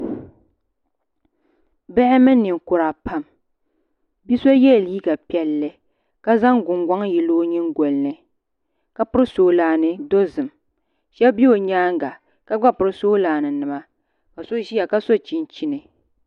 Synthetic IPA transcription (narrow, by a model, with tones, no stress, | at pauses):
bɛ˦hɪ˦mɨ˦nː˦ɨ˨ŋ˨kʊ˨ɾa˨pa˦˨m | bi˦so˦jɛ˦˨liː˦ɡa˨pi˦ɛ˦lːɨ˦ | ka˦za˦ŋɡʊ˨ŋɡʷa˦ŋjɛ˨lo˦ɲi˦ŋ˦ɡo˨lnɨ˨ | ka˦pʊ˦ɾɨ˦soː˦laː˨nɨ˨do˦zɨ˨m | ʃɛ˦bbi˦o˨ɲaː˦ŋɡa˨ | ka˦ɡ͡ba˦pʊ˨ɾɨ˦soː˦laː˨nɨ˨nɨ˨ma˦ | ka˨so˦ʒi˦a˨ka˦so˦t͡ʃi˨nt͡ʃi˦nɨ˨